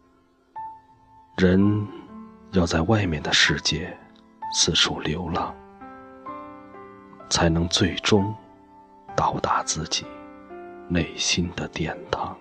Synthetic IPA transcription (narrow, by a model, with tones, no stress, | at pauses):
ɻə˧˥n | jɑ˥˧ʊt͡sa˥˧ɪwa˥˧ɪmjɛ˥˩nd̪ə˩ʂɻ̩˥˧t͡ɕjɛ˥˩ | t͡sʰɹ̩˥˩ʂʰu˨˥˩ljo˧˥ʊlɑ˥˩ŋ | t͡sʰa˧˥ɪnɤ˧˥ŋt͡swe˥˩ɪʈ͡ʂʊ˥ŋ | t̪ɑ˨˩ʊt̪a˧˥t͡sɹ̩˥˩t͡ɕi˨˩ | ne˥˩ɪɕi˥nd̪ə˨t̪jɛ˥˩nt̪ʰɑ˧˥ŋ